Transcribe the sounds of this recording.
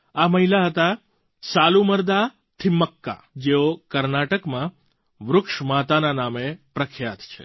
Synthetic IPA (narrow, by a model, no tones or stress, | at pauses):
aməɦilaɦət̪a | saluməɾd̪a | t̪ʰimːəkːa̰ | d͡ʒeokəɾnaʈəkmã | ʋɾʊkʃmat̪ananamepɾəkʰjat̪t͡ʃʰḛ